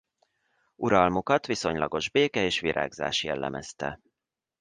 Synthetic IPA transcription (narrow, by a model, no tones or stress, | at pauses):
uɾɒlmokɒt̪ʋiso̞ɲlɒɡo̞ʒbeːkɛeːʃʋiɾʔa̰ːɡza̰ːʃjɛlːɛ̰mʔɛst̪ɛ